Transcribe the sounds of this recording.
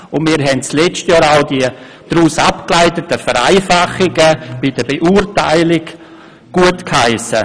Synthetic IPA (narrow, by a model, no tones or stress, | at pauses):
ʊnmiːɾɦɛnt͡slɛt͡ʃtjɔːɾaʊdiə | d̥ɾuːsapklaɪtətəfəɾa̰ɪfaχɪɡəb̥ɪd̥əbeʔuːrtaɪlɪk | ɡ̥uətkhaɪsə̰